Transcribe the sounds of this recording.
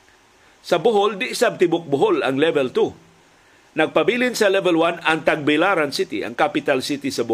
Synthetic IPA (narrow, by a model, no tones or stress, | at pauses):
sɐbʊɦold̪ɪʔɪsab̚t̪ɪbʊk̚bʊɦola̰ŋlɛvɛlt̪u | nɐɡ̚pabilɪnsɐlɛvɛlwanɐŋt̪aɡ̚bɪlaɾansɪt̪ɪ̰ʔa̰ŋkapɪt̪alsit̪isɐbʊ